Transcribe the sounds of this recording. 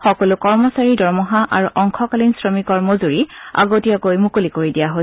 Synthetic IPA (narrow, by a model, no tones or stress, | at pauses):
xɔkɔlʊkɔɹmɔsaɹidɔɹmɔɦaʔa̰ɹuʔɔŋkʰɔkalinsɹɔmikɔɹmozuɹia̰ɡotijakojmukulikoɹidijaɦo